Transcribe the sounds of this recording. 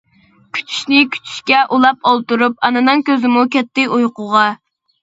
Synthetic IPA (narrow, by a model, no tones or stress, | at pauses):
kʲʰy̥t͡ʃʰy̥ʃnɪkʲʰy̥t͡ʃʰy̥ʃkʲɛʔulˠɑpɑlˠt̪uɾup̚ɑnɨnɨŋkʲøzɪmukʲɛt̪ʰːɪujqʊʁɑ